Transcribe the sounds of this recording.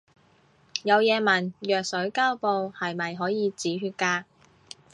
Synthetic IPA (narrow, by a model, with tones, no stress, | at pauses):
jɐ˨˧wjɛː˨˧mɐ˨˩njœː˨k̚sɵ˨˥ɥkaː˥wpo˧whɐ˨jmɐ˨jɦɔː˨˥jiː˨˧t͡siː˨˥ɦyː˧t̚kaː˧k̚